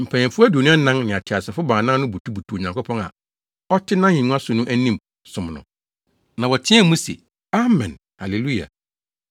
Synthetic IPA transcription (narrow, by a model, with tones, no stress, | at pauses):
m̩˨pʰæ˨ɛ̃˨fʊ˦æ˦du˨nũ˦a˦nã˦ŋnɪ̃˨a˨tʰɪ˨a˨sɛ˨fʊ˦baː˨nã˦nʊ̃˦bu˨tʰu˦bu˨tʰu˨o˨ɲã˨ŋko˦pʰɔ̃˦na̰˨ | ɔ˦tʰɪ˦nã˦ɲĩ˨nũ˦a˦sʊ˨nʊ̃˦ʔæ˦nĩ˦m | sʊ̃˨m˨nʊ̰̃˨ | nã˨wɔ˨tʰɪ̃˦æ˦˨mũ˦sḛ˨ | a˦mɛ̰̃˨n | a˨le˨lu˦˨a̰˨